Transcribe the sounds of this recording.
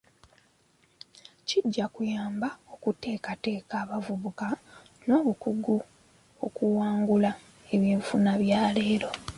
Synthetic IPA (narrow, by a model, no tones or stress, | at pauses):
ciɟːakujaːmbao̞kute̞ːkate̞ːkaːβavuβuka | no̞ːβukuɡu | o̞kuwaːŋɡula | e̞βiːɱfunaβjaːle̞ːɾo̞